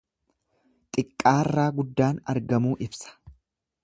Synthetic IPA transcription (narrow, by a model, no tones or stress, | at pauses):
t̪ʼɪkʼːaːrːaːɡʊd̪ːaːnɐ̰ɾɡɐmuːʔɪbsɐ̥